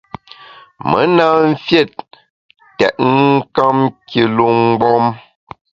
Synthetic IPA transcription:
mə̰˨˦na˦m̩˦fje˦˨tː | ɛ˨ʔ̚ŋ˦ka˦mkjə˨lo˦ŋ̩˦ɡ͡bɔ˦m

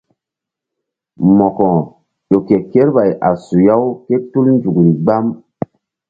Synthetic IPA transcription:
mɔ˨kɔ˨ | jo˨ke˨ke˦ɾba˨jʔa˨su˨ja˦wke˦tu˦lnd͡ʒu˨kɾi˨ɡ͡ba˦m

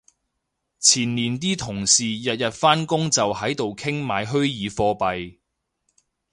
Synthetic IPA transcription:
t͡sʰiː˨˩nniː˨˩nt̪iː˥t̪ʰʊ˨˩ŋsiː˨jɐ˨t̚jɐ˨t̚faː˥nkʊ˥ŋt͡sɐ˨whɐ˨˥jt̪o˨wkʰɪ˥ŋmaː˨˧jɦɵ˥ɥjiː˨˧fɔː˧pɐ˨j

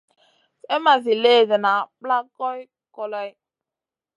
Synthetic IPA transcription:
e˦ma˨zi˨le˦˨de˨na˨pla˦kɔ˦i˦ | kɔ˨lɔ˦j

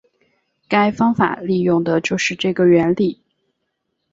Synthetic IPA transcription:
ka˥ɪfɑ˥ŋfa̰˨˩li˥˧jʊ˥˩ŋd̪ə˩t͡ɕjo˥˧ʊʂɻ̩˥˧ʈ͡ʂɤ˥˩ɡə˩ɥɛ˧˥nli˨˩˦

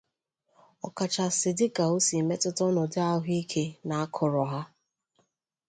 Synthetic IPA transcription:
ɔ˨ka˨t͡ʃa˨sɪ˨dɪ˦ka˨o˦si˨me˦tʊ˦tʊ˦nʊ˨dɪ˦a˦ʊ˦ɦi˦kʰe˦na˨a˦kʰʊ˨ɾɔ˨ɦa˦

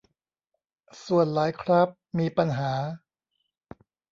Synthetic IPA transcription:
su˨˩ənlaː˩˦jkʰɾa˦˥p̚miː˧pa˧nɦaː˩˦

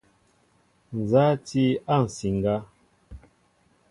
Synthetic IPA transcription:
n̩˨za˦ti˦a˦˨n̩˨si˨ŋ˨ɡa˦

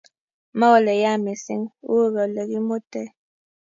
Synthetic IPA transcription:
ma˦wɔ˦lɛ˨ja˦˨me˨sḭ˦ŋu˦˨ɣɔ˨lɛ˨ki˦mo˦tɛ˦

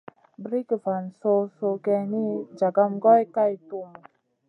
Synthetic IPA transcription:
bɾi˦kva˨nso˧so˧kɛ˧ni˦d͡ʒa˨ɡa˧mɡɔ˦jka˦jt̪u˦m˨

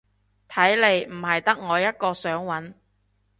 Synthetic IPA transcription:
t̪ʰɐ˨˥jle˨˧jm̩˨˩hɐ˨jt̪ɐ˥k̚ŋɔː˨˧jɐ˥t̚kɔː˧sœː˨˥ŋwɐ˨˥n

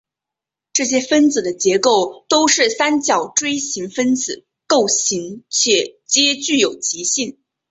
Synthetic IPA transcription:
ʈ͡ʂɤ˥˩ɕ̬jɛ˥fə˥nt͡sɹ̩˨˩d̪ə˦t͡ɕjɛ˧˥ko˥˩ʊt̪o˥ʊʂɻ̩˥˩sa˥nt͡ɕjɑ˨˩ʊʈ͡ʂwe˥ɪɕi˧˥ŋfə˥nt͡sɹ̩˨˩ | ko˥˩ʊɕi˧˥ŋt͡ɕʰɥɛ˨˩t͡ɕjɛ˥t͡ɕy˥˩jo˨˩ʊt͡ɕi˧˥ɕi˥˩n

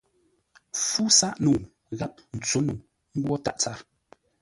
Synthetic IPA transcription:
fu˦sa˦ʔnu˨ | ɣa˦p̚n̩˨t͡so˨˦nu˨ | ŋ̩˦ɡwɔ˦ta̰˦˨ʔt͡sa˦ɾ

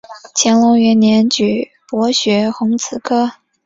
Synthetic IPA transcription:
t͡ɕʰjɛ˧˥nlʊ˧˥ŋɥɛ˧˥nnjɛ˧˥nt͡ɕy˨˩ | pwɔ˧˥ɕɥɛ˧˥xʊ˧˥ŋt͡sʰɹ̩˨˩kʰɤ˥

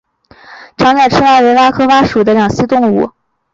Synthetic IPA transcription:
ʈ͡ʂʰɑ˧˥ŋna˨˩ʈ͡ʂʰɻ̩˥a˥˩we˧˥ɪwa˥kʰɤ˥wa˥ʂu˨˩d̪ə˦ljɑ˨˩ŋɕi˥t̪ʊ˥˧ŋṵ˨˩˦

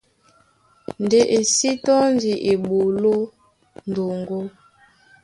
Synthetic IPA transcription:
n˨de˨ʔe˨si˦tɔ˦n˦di˨ʔe˨ɓo˨lo˦ | n˨do˨ŋɡo˦

